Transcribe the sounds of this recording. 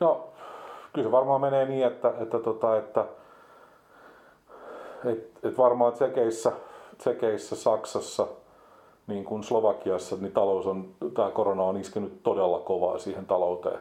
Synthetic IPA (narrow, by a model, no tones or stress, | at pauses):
no | kylseʋɑrmɑːmeneːniːet̪ːæʔet̪ːæt̪ot̪ɑet̪ːæ | et̪et̪ʋɑrmɑːsekeisːæsekeisːæsɑksɑsːɑ | niːŋkunsloʋɑkiɑsːɑnit̪ɑlousont̪æːkoronɑoniskenytt̪odelːɑ̰koʋɑ̰ːsiːhent̪ɑlout̪ḛː